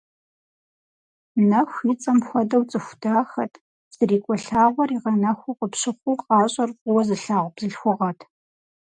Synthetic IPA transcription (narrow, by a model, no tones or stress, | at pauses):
nɐxʷit͡sʼɐmxʷɔdɐwt͡sʼɨxʷdaːxɐtʰ | z̥ɨriːkʷʼɔɬaːʁʷɔriːʁɐnɐxʷuqəpɕɨχʷuːqɑːɕʼɐrqʷʼʊwɐzɨɬaːʁʷb̥zɨɬxʷʊʁɐtʰ